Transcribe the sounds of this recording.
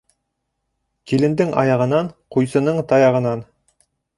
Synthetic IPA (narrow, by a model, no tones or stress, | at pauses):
kilɘ̆nd̪ɘŋɑ̰jɑʁɤ̆nɑnqujsɤ̆nɤɴt̪ɑjɑʁɤ̆nɑn